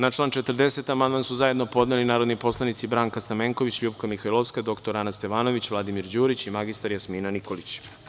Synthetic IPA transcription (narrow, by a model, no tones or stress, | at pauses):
nat͡ʃlˠaːnt͡ʃet̪rd̪e̞se̞t̪amand̪mansuzaje̞d̪no̞po̞d̪nelinaːɾo̞d̪nipo̞slˠanit̪sibɾaːŋkast̪ameːŋko̞ʋit͡ɕlubkamixailˠoʋskad̪o̞kt̪oɾanast̪e̞ʋaːno̞ʋit͡ɕʋlˠad̪imiɾd͡ʑuːɾit͡ɕimaɡist̪aɾjasmiːnaniko̞lit͡ɕ